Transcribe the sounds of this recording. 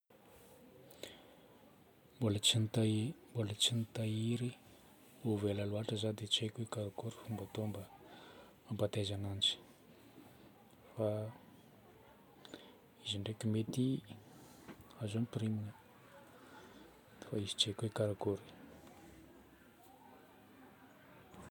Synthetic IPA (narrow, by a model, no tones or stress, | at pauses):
bolint̪ambolət͡ʃinit̪aiɾi | ovelaluaʈ͡ʂəzad̪et͡ʃekʲuikaɾakuɾi̥fumbat̪ombə | ampat̪ezanant͡ʃi̥ | fa | iziɳɖ͡ʐekʲimet̪i | azonprimi | faizi̥t͡ʃekeikaɾakuɾi̥